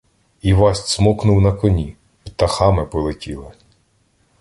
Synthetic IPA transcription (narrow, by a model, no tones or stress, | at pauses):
iʋɑsʲtʲsmɔknʊwnɐkɔnʲi | t̪ɐxɑmɪpɔlˠetʲilˠɪ